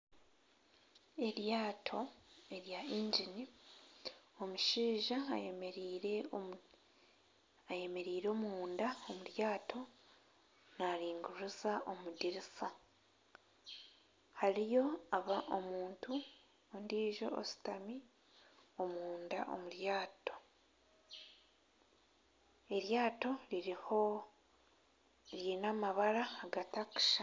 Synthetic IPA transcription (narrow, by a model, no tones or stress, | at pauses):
e̞ɾjaːtʰo̞e̞ɾjaiːɲɟini | omuʃiːʒameɾiɾe | aje̞me̞ɾiːɾo̞ːmuːndaomuɾjaːtʰo̞ | naɾiːŋɡuɾuzaʔo̞mudiɾisa | haɾijo̞aβaʔomuːntu | ondiːʒo̞̰o̰si̥tami | o̞muːndaʔo̞̰muɾjaːto̞ | e̞ɾjaːto̞ɾiho | ɾinamaβaɾaːɡataki̥ʃa